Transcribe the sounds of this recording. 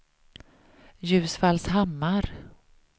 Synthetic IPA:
jʉ̟ːsfalsɦamːaɾ

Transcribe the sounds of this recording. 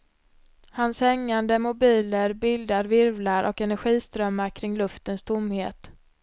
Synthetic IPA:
hanshɛŋːand̪əmʊbiːləɾbɪld̪aɾvɪɾvlaɾʔɔ̰kɛnæɾɧiːst̪ɾœmːakʰɾɪŋːlɵft̪ənst̪ʰʊmheːt̪

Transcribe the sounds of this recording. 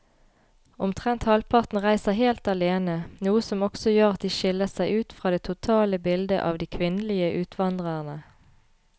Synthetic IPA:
ʊmt̪ʰʁɛnt̪hɑlpʰɑʁt̪n̩ʁæɪsəheːlt̪ɑleːnənuːəsɔmɔksɔjøːʁɑt̪̚d̪iːʃɪləsæɪʉːt̪fʁɑːd̪eːt̪ʰʊt̪ʰɑːləbɪld̪ə̰ʔɑ̰ːʋd̪iːkʰʋɪnəlɪəʔʉːt̪ʰʋɑnd̪ʁəʁnə

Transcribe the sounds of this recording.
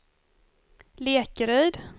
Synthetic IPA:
leːkəɾœːd̪

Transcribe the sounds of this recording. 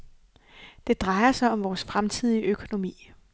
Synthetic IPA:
d̥e̝d̥ʁɑ̈ɪɐsɑ̈ɪɒ̽mʋɒːsfʁamt͡sʰið̰ˠiʔøkʰo̝no̝mḭː

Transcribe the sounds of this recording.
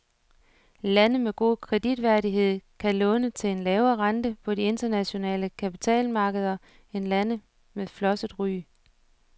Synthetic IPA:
lænəmeɡ̥o̝̰ːkʰʁɛd̥id̥ʋæɐdiɦe̝ð̰ˠkʰælɔ̽nət͡sʰe̝le̝nlɛːʊɐːʁɑ̈nd̥əpʰɒ̽die̝nd̥ɐnæɕo̝nɛ̰ːləkʰæpi̥t͡sʰɛ̰ːlmɑ̈ːɡ̥əð̞ˠɐ | e̝nlænə | meðˠflɒ̽səd̥ˠʁy̰ː

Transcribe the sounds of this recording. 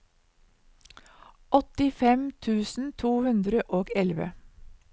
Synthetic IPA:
ʔɔt̪ɪfɛmt̪ʰʉːsn̩t̪ʰuːhʉnd̪ɾəʔoːɡɛlʋə̰

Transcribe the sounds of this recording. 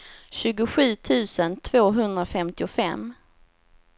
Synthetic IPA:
ɕʉ̟ːɡʊɧʉ̟ːt̪ʰʉ̟ːsənt̪ʰv̥oːɦɵnd̪ɾafɛmt̪ɪʊfɛ̰mː

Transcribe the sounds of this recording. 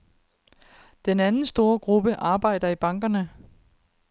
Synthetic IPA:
d̥enænn̩sd̥o̝ːɐɡ̥ʁub̥əʔɑ̈ːb̥ɑ̈ɪ̰d̥ɐib̥ɑ̈ŋɡ̥ɐnə

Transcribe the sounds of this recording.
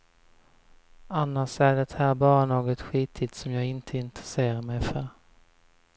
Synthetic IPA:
anːaʂæɖɛt̪hæːɾbɑːɾanoːɡɔt̪ɧiːt̪ʰɪt̪sɔmjɑːɡɪnt̪ʰəɪnt̪ɾəseːɾaɾmɛjfœɾ

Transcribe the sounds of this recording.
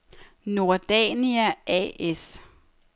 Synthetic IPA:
no̝ɐd̥ɛniæʔɛ̰es

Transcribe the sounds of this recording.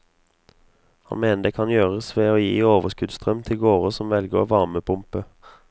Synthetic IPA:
hɑ̰nmeːnəd̪eːkʰɑnjøːʁəsʋeːoːjiːoːʋəskʉd̪st̪ʁœmt̪ʰɪlɡoːʁəsɔmʋɛlɡə̰ʋɑʁməpʰʊmpə

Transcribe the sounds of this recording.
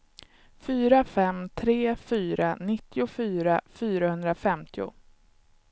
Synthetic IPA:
fyːɾafɛmt̪ʰɾeːfyːɾanɪt̪ːɪʊfyːɾafyːɾahɵnd̪ɾafɛmt̪ʰɪʊ̰

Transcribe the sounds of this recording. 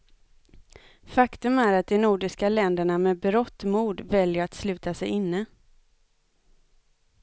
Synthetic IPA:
fakt̪ɵmæɾat̪̚d̪ɛnuːɖɪʂkalɛnd̪əɳamɛbɾɔt̪ːmuːɖvɛljəɾat̪slʉ̟ːt̪asɛjɪnːə

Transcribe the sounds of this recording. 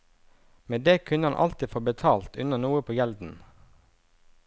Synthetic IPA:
meːd̪eːkʰʉnəhɑnʔɑ̰lt̪ifoːbət̪ʰɑːlt̪ʉnɑnuːəpʰoːjɛld̪n̩

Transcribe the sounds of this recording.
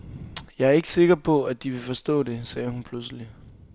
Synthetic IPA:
jɑ̈ɪæɐe̝ɡ̥əse̝ɡ̥ɐpʰɒ̽æd̥iʋe̝fɒ̽sd̥ɔ̰̽ːde̝sɛːhunpʰlusəli

